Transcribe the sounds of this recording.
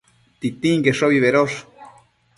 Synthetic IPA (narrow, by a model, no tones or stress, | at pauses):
t̪it̪ĩŋɡeʂoβiβeɾoʂ